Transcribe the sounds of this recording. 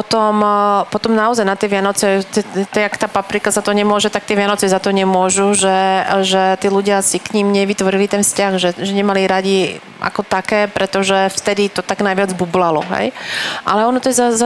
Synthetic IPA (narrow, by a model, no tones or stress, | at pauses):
pɔt̪ɔmpɔt̪ɔmnaɔzajnat̪ɪɛʋɪanɔt͡sɛt̪ɛt̪ɛakt̪aːpapɾikazat̪ɔɲɛmʊɔʒɛt̪ak̚t̪ɪɛʋɪanɔt͡sɛzat̪ɔɲɛmʊɔʒuʒɛʒɛt̪iːluɟɪasikɲimɲɛʋit̪ʋɔɾilit̪ɛnfscaɣʒɛʒɛɲɛmaliɾaɟi | ʔa̰kɔt̪akɛːpɾɛt̪ɔʒɛft̪ɛd̪it̪ɔt̪aɡnajʋɪad͡zbublalɔɦɛ̰jʔa̰lɛɔnɔt̪ɔjɛzaza